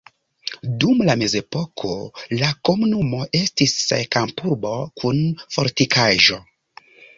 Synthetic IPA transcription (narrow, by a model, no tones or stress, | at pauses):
dumlame̞ze̞po̞kʰo̞lako̞munumo̞ʔe̞stisḛkampuɾbo̞kʰunfo̞̰ɾtikʰaʒo̞